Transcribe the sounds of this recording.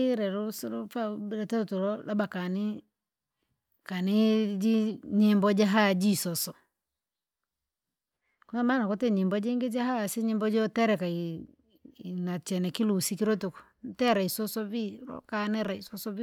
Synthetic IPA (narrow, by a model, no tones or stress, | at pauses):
iɾɛɾusɾufabɾɛtɛtuɾɔlabakanɪ | kanɪd͡ʒiɲimbɔd͡ʒaɦad͡ʒisɔsɔ | kunamanakotɛɲɪmbɔd͡ʒeŋɡɪd͡ʒahasiɲɪmbɔd͡ʒɔtɛɾɛkai | nat͡ʃɛnɛkilusikiɾotukntɛɾaisɔsɔbiɾɔ̰kanɛɾaisɔsɔbi